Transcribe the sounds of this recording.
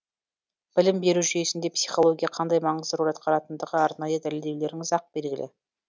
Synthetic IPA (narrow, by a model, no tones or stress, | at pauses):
b̥ɪlɪmbe̞ɾuʒʏje̞sɪnd̪epsiχo̞lˠo̞ɡʲijɑqʰɑnd̪ɑjmɑɴəzd̪əɾuɾɑt̪̚qʰɑɾɑt̪ənd̪əʁəɑɾnɑjəd̪æle̞ld̪ewld̪e̞ɾɪŋzɑq̚be̞lɡʲɪlʔḛ